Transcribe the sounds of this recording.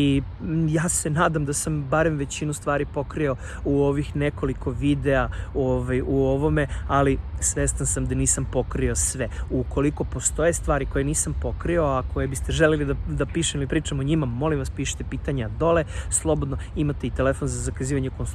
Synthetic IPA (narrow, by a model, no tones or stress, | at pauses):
i | jaːsenaːd̪amd̪asambaɾemʋe̞t͡ɕinust̪ʋaːɾipo̞kɾio̞ | uoʋixneko̞likʰo̞ʋid̪eaoʋajuoʋo̞me̞alisʋest̪ansamd̪aniːsampo̞kɾiosʋeuko̞liko̞po̞st̪o̞je̞st̪ʋaːɾiko̞jeniːsampo̞kɾio̞ako̞jebist̪e̞ʒelelid̪ad̪apiːʃemilipɾiːt͡ʃamoɲimamo̞limʋaspiːʃi̥t̪epiːt̪aɲead̪o̞leslˠo̞bod̪no̞imat̪e̞it̪elefo̞nzazakaziːʋaɲekons